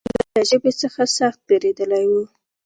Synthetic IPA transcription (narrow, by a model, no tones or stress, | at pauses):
dəaʒəbet͡səxasaxt̪̚beɾed̪əlajwu